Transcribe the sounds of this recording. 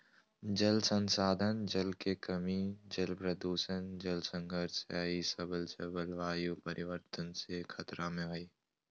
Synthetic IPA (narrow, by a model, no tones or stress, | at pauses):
d͡ʒəlsə̃nsaːd̪ʱənd͡ʒəlkekəmid͡ʒəlpɾəd̪uːʃənd͡ʒəlsə̃ŋɡʱəɾsaːisəbəlsəbəlʋaːjupəɾʔɪʋəɾt̪ənsekʰɐt̪ɾamẽɦoi